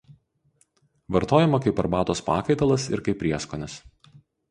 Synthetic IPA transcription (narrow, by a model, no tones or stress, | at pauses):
ʋɐɾt̪oːjɛmɐkɐɪpɐɾbɑːt̪oːspɑ̰ːkɐɪt̪ɐlˠɐsɪ̰ɾkɐɪpʲːɾʲiɛskoːnʲɛs